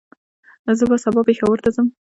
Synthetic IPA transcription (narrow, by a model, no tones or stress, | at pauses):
zəbasabɑpexawəɾt̪azəm